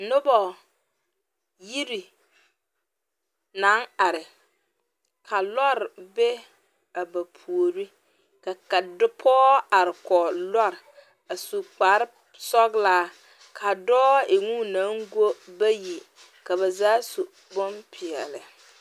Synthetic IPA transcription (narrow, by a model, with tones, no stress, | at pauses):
nʊ˦bɔ˨ | ji˦ɾi˨ | na˨˦ŋa˨ɾɪ˨ | kʰa˨lɔ˦ɾɪ˨be˦ | a˨ba˨pʰu˨o˨ɾi˦ | ka˨ka˨dʊ˦pʰɔː˦a˨ɾɪ˨kɔ˨lɔ˦ɾɪ˨ | a˨su˨k͡pa˨˦ɾɪ˦ | sɔ˦ɡlaː˦ | kʰa˨dɔː˦ɪ˨ŋu˦na˨˦ŋɡo˦ba˦ji˨ | ka˨ba˨zaː˦su˨ | bɔ˦npʰɪ˨ɛ˨lɪ˨